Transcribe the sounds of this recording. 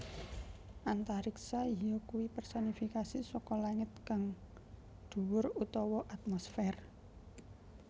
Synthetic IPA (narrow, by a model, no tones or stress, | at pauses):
ʔant̪aɾiksaijɔkuwipərsɔnifikasisɔkɔlaŋɪt̪̚kaŋ | d̪̥ṳwʊɾut̪ɔwɔʔat̪̚mɔsfɛr